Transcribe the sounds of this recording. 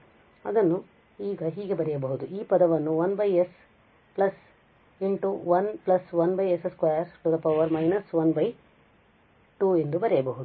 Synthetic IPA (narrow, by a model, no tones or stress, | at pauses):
ɐd̪ɐnːu | iːɡɐɦiːɡe̞bɐɾɛjɐbɐɦud̪uiːpɐd̪ɐʋɐnːuʋɐnbɐjes | plɐs | iɳʈuʋɐnplɐsʋɐnbɐjeseskʋaːjɐɾsʈːud̪ɐpɐwʋːɐɾmɐjnɐsʋɐnbʱɐj | ʈue̞nd̪ubɐɾɛjɐbɐɦud̪u